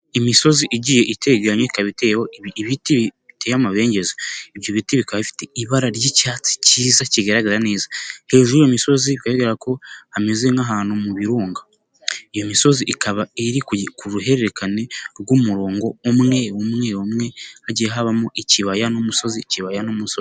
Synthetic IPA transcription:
imiso̞ziʔiɟije̞ʔite̞ɡaɲeikaβitewoβitiβiβitejamaβe̞ːɲɟe̞zaiβjoβitiβikaβifi̥te̞iβaɾaɾjicaːt͡si̥ciːzaciɡeɾaɡaɾane̞ːzahe̞ːʒuɾijomiso̞ziβikajeɡeɾako̞hamezeŋaɦaːnhumuβiɾuːŋɡa | ijo̞miso̞ziʔikʰaβaeɾikkuɾuɦe̞ɾeɾekane̞ɾɡumuɾoːŋɡo̞umŋe̞omŋeomŋe̞haɟiɦaβamoʔiciβajanomuso̞ziciβajanomusozi

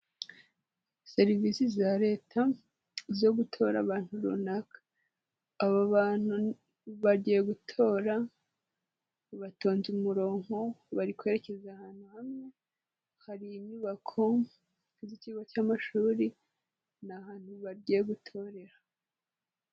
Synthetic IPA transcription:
se̞ɾivisizaɾe̞ːtʰa | zo̞ɡutʰo̞ːɾa̰βaːn̥huɾunakḁː | βaβaːn̥hu | βaɾɟijeɡutʰo̞ɾa | βato̞ːnzumuɾo̞ːŋo̞βaɾikwe̞ɾe̞ce̞zahaːn̥huhamŋe̞ | haɾiiɲɲuβakʰo̞ | ziciɡocaːmaʃuːɾi | nahaːn̥huβaɾɟijeɡutʰo̞ɾe̞ɾa

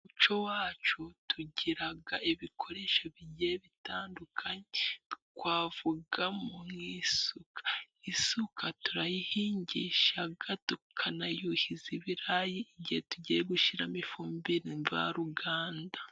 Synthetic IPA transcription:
ut͡ʃowaːt͡ʃotʰuɟiɾaɡaiβikʰo̞ɾe̞ʃaβiɟeβitaːndukʰaɲekwaːvuɡamumŋiːsukḁ | isukatuɾajihiːɲɟiʃaɡatukʰanajuhiziβiɾajiiɟihetuɟijeɡuʃiɾamifuːmbiɾiɱva̰ɾuɡaːnda

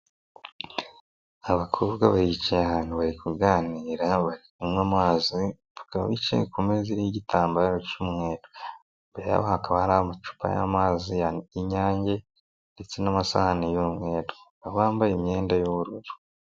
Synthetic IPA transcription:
aβakʰuːβɡaβaɾit͡ʃijaβaːnuβaɾikuɡaːniːɾaβaɾik̚umŋamaːzi | βakaβa̰βit͡ʃḛjekumeziɾijiɟitʰaːmbaːɾocuːmŋwe̞ːɾo | mbeɾa̰βohakaβahaɾaβomat͡ʃu̥pʰa̰ja̰maːzijaiɲaːɲɟe̞ | nde̞t͡se̞namasa̰hanajumŋe̞ːɾo | aβaːmbajemje̞ːndajuβuɾuɾu̥

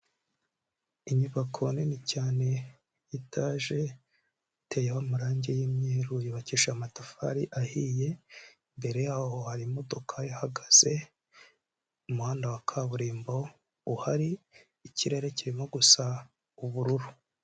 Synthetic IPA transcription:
iɲuβakʰonenicaːne̞ | itʰaʒe̞ | tʰejewamuɾaːɲɟe̞jiːmɲeːɾujiβaciʃamatafa̰ɾiʔahije̞ | mbe̞ɾe̞jaːho̞haɾimo̞do̞kʰajahaɡaz̥e̞ | umuhaːndawakʰaβuɾiːmbo̞ | uhaɾiː | ciɾe̞ɾe̞ciɾimo̞ɡusa | uβuɾuɾu

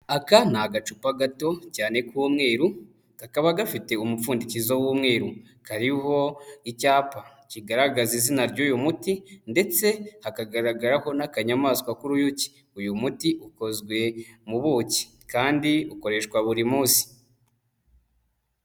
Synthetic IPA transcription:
akan̥aɡat͡ʃupaɡato̞caːne̞kuːmŋe̞ːɾu | kakaβaɡafite̞umufuːndicizowuːmŋe̞ːɾu | kaɾiɦo̞icaːpa | ciɡaɾaɡazizinaɾɟuːjumutinde̞t͡se̞hakaɡaɾaɡaɾaho̞nakaɲamaːskwakuɾujuci̥ | ujumutiʔuko̞zɡwe̞muβuci̥ | kaːndiuko̞ɾe̞ʃkwaβuɾimuːsi̥

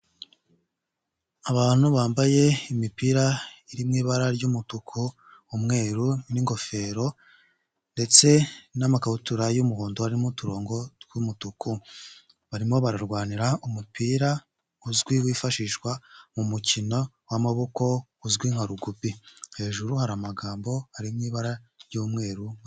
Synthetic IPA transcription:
aβaːn̥uβaːmbaje̞imipiːɾaiɾimŋiːβaɾaɾɟumutukʰuː | mŋe̞ːɾuniŋɡo̞fe̞ːɾo̞ | nde̞t͡se̞namakahutuɾajumuhoːnduhaɾimutuɾoːŋɡo̞tɡumutukʰu | βaɾimo̞βaɾaɾɡwaːniɾaumupiːɾa | uzɡwiwiːfaʃiːʃkwamumucino̞ | wamaβoko̞uzɡwiŋ̥aɾuɡupihe̞ːʒuɾuhaɾamaɡaːmbo̞haɾimŋiːβaɾaɾjuːmŋe̞ːɾu

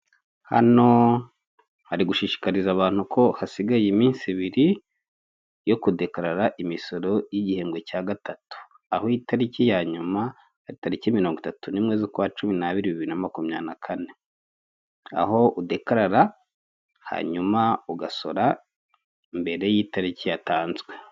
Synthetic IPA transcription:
ha̰no̞ | haɾiɡuʃiʃi̥kaɾizaβaːn̥hukʰo̞hasiɡajimiːnsiβiɾi | jo̞kude̞kaɾaɾaʔimiso̞ɾo̞jiɟihe̞ːmɡwe̞caːɡatatu̥ | ahojitaɾicijaɲuma | haɾitaɾicimiɾoŋɡutatunimŋe̞zikuwat͡ʃuminaβiɾiβiβiɾinamakumɲa̰ːnakʰane̞ | a̰ɦo̞udekaɾaɾa | ha̰ːɲumauɡaso̞ɾa | mbe̞ɾe̞jiːtaɾicijataːnzɡwe̞

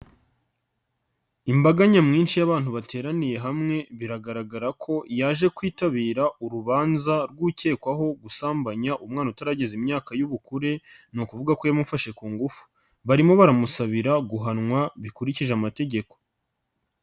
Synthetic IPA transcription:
imbaɡaɲamŋiːnʃijaβaːn̥huβatʰe̞ːɾanije̞ɦamŋe̞βiɾaɡaɾaɡaɾakʰo̞jaːʒe̞kwiːtaβiːɾauɾuβaːnzaɾɡuce̞ːkwaɦo̞ɡusaːmbaɲaʔumŋaːnutaɾaɟe̞zimɲaːkajuβukuɾe̞nukuvuɡako̞jamufaʃe̞kuːŋɡufu̥ | βaɾimo̞βaɾamusaβiɾaɡuɦanŋwaβikuɾiciʒeamate̞ɟe̞ko̞̥

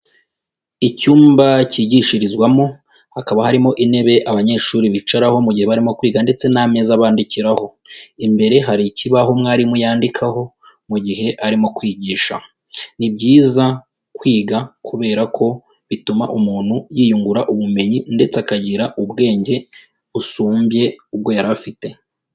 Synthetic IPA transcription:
icuːmbaciɟiʃiɾizɡwamo̞ | hakaβahaɾimo̞ʔine̞βe̞ʔaβaɲe̞ːʃuːɾiβit͡ʃaɾaho̞muɟihe̞βaɾimo̞kwiːɡande̞t͡se̞name̞zaβaːndiciɾaho̞ | imbe̞ɾe̞ɦaɾiciβaɦo̞mŋaːɾimujaːndikʰaɦo̞ | muɟiɦe̞ʔaɾimo̞kwiːɟiːʃa | nibɟiːza | kwiːɡakʰuβe̞ːɾakʰo̞ | βitumaʔumuːn̥hujiːjuŋɡuɾaʔuβume̞ɲinde̞t͡sakaɟiɾaʔubɡe̞ːɲɟe̞ | usuːmbje̞ub̚ɡo̞jaɾafite̞

